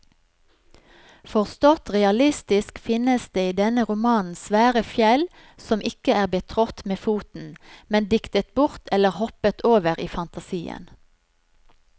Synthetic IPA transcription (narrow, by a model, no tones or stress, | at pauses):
fɔʁst̪ɔt̪ʁɛɑlɪst̪ɪskfɪnəsd̪eːiːd̪ɛnəʁʊmɑːnn̩sʋæːʁəfjɛl | sɔmʔɪkəæːʁbət̪ʰʁɔt̪meːfuːt̪n̩mɛnd̪ɪkt̪ət̪̚bʊʁt̪ʰɛləʁhɔpət̪ʰoːʋəʁiːfɑnt̪ɑsiːə̰n